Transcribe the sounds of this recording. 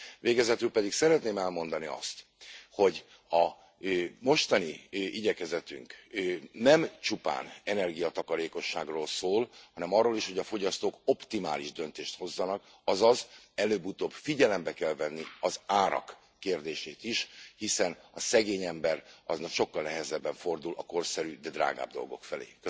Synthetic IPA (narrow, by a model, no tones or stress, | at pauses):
veːɡɛzɛt̪ylpɛd̪iksɛɾɛt̪neːmɛlmo̞n̪d̪ɒniɒ̰st̪ | ho̞ɟ | ɒ | mo̞ʃt̪ɒniiɟɛkɛzɛt̪y̰ŋknɛmt͡ʃupa̰ːnɛnɛrɡijɒt̪ɒkɒɾeːko̞ʃːaːɡroːlsoːlhɒnɛmɒrːoːliʃho̞ɟɒfo̞ɟɒst̪oːko̞pt̪ima̰ːliʒd̪ønt̪eːʃt̪ho̞zːɒnɒk | ɒzɒzɛløːbut̪oːbfiɟɛlɛmbɛkɛlvɛnːiɒzaːɾɒ̰kː | eːrd̪eːʃeːt̪iʃhisɛnɒsɛɡeːɲɛmbɛɾɒznɒkʃo̞kːɒlnɛɦɛzɛbːɛɱfo̞rd̪ulʔɒko̞rsɛɾyd̪ɛd̪ra̰ːɡa̰ːb̚d̪o̞̰lɡo̞̰kfɛlḛːkø